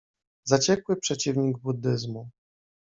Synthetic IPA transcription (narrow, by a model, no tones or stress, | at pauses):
zat͡ɕɛkwɘpʂɛt͡ɕivɲiɡbud̪ːɘzmu